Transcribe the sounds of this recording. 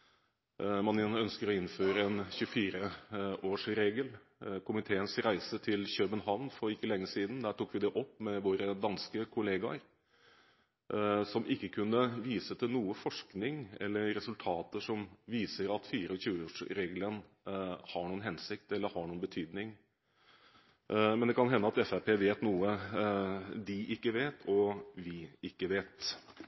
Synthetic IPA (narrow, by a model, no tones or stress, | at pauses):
mɑnɪœnskəɾɔɪnːføːɾəɛnçʉəfiːɾəʔoːʂɾeːɡəl | kʰʊmɪt̪ʰeːənsɾæɪsət̪ʰɪlɕøːbənɦɑʋnfɔɾɪkːəlɛŋːəsiːd̪n̩d̪æːʈuːkʋɪd̪ɛʔɔpːmɛʋoːɾəd̪ɑnskəkʰʊleːɡɑɾ | sɔmʔɪkːəkʰʉnːəʋiːsət̪ʰɪlnuːəfɔʂknɪŋɛ̰lːəɾɾɛsʉlt̪ʰɑːt̪əʂɔmʋiːsəɾɑt̪fiːɾəɔçʉːəoːʂɾeːɡlən | hɑɳuːənhɛnsɪk̚t̪ɛlːəɾhɑɳuːənbət̪ʰyːd̪nɪŋ | mɛnd̪ɛkʰɑnɦɛnːəɑt̪ɛfæpʰeːʋeːt̪nuːə | d̪ɪʔɪkːəʋeːt̪ʰɔʋɪɪkːəʋeːt̪